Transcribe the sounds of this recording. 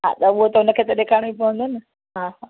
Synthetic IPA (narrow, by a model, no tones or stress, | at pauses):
ɦa̰ːt̪ɐʊɦot̪ɐɦʊnəkʰeːt̪ɐɗekʰaːɽ̃uip̬ɐʋ̤ə̃nd̪ʊnɪ | ɦaːɦa